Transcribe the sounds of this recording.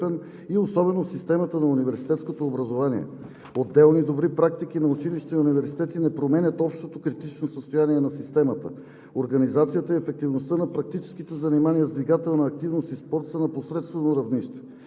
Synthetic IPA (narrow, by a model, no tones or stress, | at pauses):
pɛn | iosɔbɛnosist̪ɛmət̪ənɐunivɛɾsi̥t̪ɛt̪skot̪oːbɾɐzovanḭɛ̰ | od̪ːɛlˠnid̪obɾipɾak̚t̪ik̟inɐʊt͡ʃiliʃt̪ɛiunivɛɾsit̪ɛt̪inɛpɾomɛnʲət̪ɔpʃt̪ot̪okɾit̪it͡ʃnosəst̪ojaniɛnɐsist̪ɛmət̪ə̰ | oɾɡɐnizat̪sijət̪əiɛfɛk̚t̪ivnost̪ənɐpɾɐk̚t̪it͡ʃɛ̥skit̪ɛzɐnimanijəzd̪viɡat̪ɛlˠnɐːk̚t̪ivnost̪ispɔɾt̪sənɐposɾɛt̪st̪vɛnoɾɐvniʃt̪ɛ̥